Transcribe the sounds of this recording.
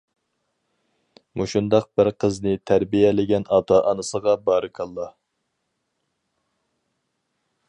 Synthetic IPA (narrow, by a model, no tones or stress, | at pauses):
muʃund̪ɑq̚bɪɾqʰəznɨt̪ʰæɾbijɛlɪɡʲɛnɑt̪ʰɑʔɑnɨsəʁɑbɑːɾɨkʰɑlˠːɑ